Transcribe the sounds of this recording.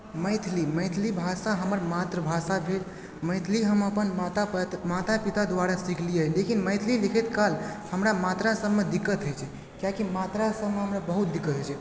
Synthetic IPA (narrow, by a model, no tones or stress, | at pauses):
məjt̪ʰliməjt̪ʰlibʱasaɦəməɾmat̪ɾəbʱasabʱel | məɪt̪ʰliɦəməpənmat̪amat̪apit̪ad̪waɾasikʰlijəlekinməjt̪ʰlilikʰɛt̪kalhəmɾamat̪ɾasəbmed̪ikːət̪ɦojt͡ʃʰɛ | kjakimat̪ɾasəbmeɦəmɾabəɦut̪̚d̪ikːət̪ɦot͡ʃʰɛ